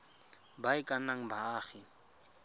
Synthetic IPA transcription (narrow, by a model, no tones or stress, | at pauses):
baɪkʼanaŋ̩baːχɪ